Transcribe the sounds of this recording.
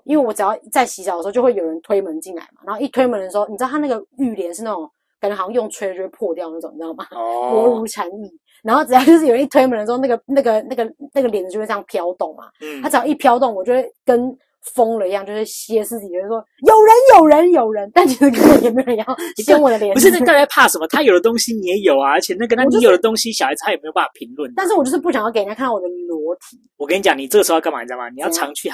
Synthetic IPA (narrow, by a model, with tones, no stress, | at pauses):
i˥nwe˥˩ɪwɔ˨˦ʈ͡ʂɻ̩˨˩jʊt͡sa˥˩ɪɕi˧˥ɕɑ˨ə˩˧˥jo˥˧we˥˩jo˨˩ɻə˧˦nt̪ʰwe˥ɪmə˦nt͡ɕi˥˩nla̰˨˦ɪma̰˨˩na˧˦n˥o˥˧i˥˩t̪we˥ɪmə˧˦nd̪ə˩ʂɻ̩˧o˥ʊni˨˩˧t̪ʰa˥na˥˩ɡə˨˩y˥˩ljɛ˧˦nʂɻ̩˥˧na˥˩ʈ͡ʂʊ˨˩ŋ | kə˨˩ə˧˥xɑ˥˧jo˥˩ŋt͡sʰwe˥ɪə˨jwpʰwɔ˥˧t̪jɑ˥˧ʊna˥˩ʈ͡ʂʊ˨˩ŋt͡ɕjɑ˥˩˨ma˨˩ɔ˧˦˥u˧˥ʈ͡ʂʰa˧˥ni˥˩ | na˧nxo˥˩ʈ͡ʂ̩˨˩˧t͡ɕjo˥˧ʂɻ̩˥˩jə˦i˥˩t̪ʰwe˥ɪmə˧˦nə˩ʂ̩˧˥˧na˥˩ɡə˩na˥˩ɡə˩na˥˩ɡə˩na˥ɡə˩ljnd͡z̩˨t͡ɕo˥˧we˥˧˥jŋ˧pʰjɑ˦ʊt̪o˥˩ŋma̰˩t̪ʰa˥ʈ͡ʂɻ̩˨˩jɑ˥ʊ˥i˥˩pʰjɑ˥ʊt̪̬o˥˩ŋwɔ˨˩t͡ɕjo˥˧˩we˥ɪkə˦n | fo˥ŋlə˨i˧˥jɑ˥˧ŋt͡ɕjo˥˧ʊʂɻ̩˥˩ɕjɛ˥sɹ̩˥˧˩jwɔ˥jo˨˩ʊɻə˧˦njo˨˩ʊɻə˧˦njo˨˩ʊɻə˧˦nt̪a˥˩nt͡ɕʰi˧˥ʂ̩˧˥kə˥nwə˧˥jɛ˨˩me˧˥˨ɻə˧njɑ˥˩ʊkə˥nwɔ˨˩d̪ə˦ljɛ˨˩pu˧ʂ̩˥˧na˥˩˧ka˥˩ɪla˧˥ɪpʰa˥˩ʂə˧nmə˧t̪ʰa˥jo˨˩ʊd̪ə˩t̪ʊ˥ŋɕi˦ni˨jɛ˧˥jo˨˩ʊa˨ə˧˥t͡ɕʰjɛ˨˩na˥˩ɡə˧nʰa˥˨˥i˥jo˨˩d̪ə˧t̪ʊ˥ŋɕi˥˦ɕɑ˨xa˧˥ɪz̩ʰ˨˧a˥jme˧˥jo˨˩pa˥˩a˨˩pʰi˧˥ŋlwə˥˩nt̪nʂ̬̩˥˩wt͡ɕjo˥˧ʂ̩˥pu˥˩ɕjŋjke˧˥˨kʰn˥˩ɔ˨˩d̪ə˧lwɔ˧˥t̪ʰi˨˩˦wɔ˨˩kʰə˥ni˦t͡ɕɑ˨˩ŋni˨˩ə˥˩ɡəʂo˧˥˧ma̰˨˥˩t͡ɕja˥˩ma̰˨ni˨jʈ͡ʂʰɑ˧˥ŋt͡ɕʰy˥˩